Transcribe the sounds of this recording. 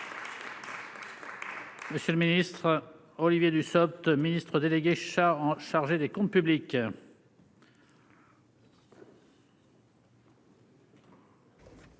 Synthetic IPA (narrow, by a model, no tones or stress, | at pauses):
məsjələminist̪χ | ɔlivjed̪ysɔp̚t̪minist̪χəd̪eleɡʲeʃaʁɑ̃ʃaʁʒed̪ekɔ̃t̪̚pyblik